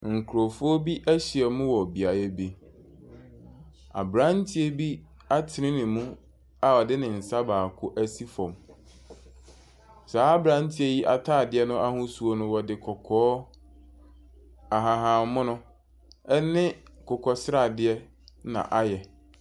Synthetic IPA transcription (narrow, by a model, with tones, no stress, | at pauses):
ŋ̩˨kʰu˨ɾo˨fʊ˦o˦bi˦ʔæ˦ɕɪ˨ɛ˨mʊ̃˦wɔ˨bi˨a˨jɛ˦bi˨ | a̰˨bɾã˦n˦tʰi˦e˦bi˦ | a˦tʰɪ˨nɪ̃˦nɪ̃˨mũ˦ | a˨ɔ˨dɪ˦nɪ̃˨n̩˨sa˦baː˨kʰʊ˦ʔæ˦si˦fɔ̰̃˨m | saː˨˦a˦bɾã˨˦n˦tʰi˦e˦ji˦ʔa˨tʰaː˦˨dɪ˦ɛ˦nʊ̃˦ʔa˦hʊ̃˦su˨o˦nʊ̃˦wɔ˨dɪ˨kʰɔ˨kʰɔː˦ | a˨ɦã˨ɦã˨mʊ̃˦nʊ̃˦ | ɛ˦nɪ̃˦kʰʊ˨kʰɔ˨sɾa˦˨dɪ˦ɛ˦ | nã̰˨ʔa˦jɛ˨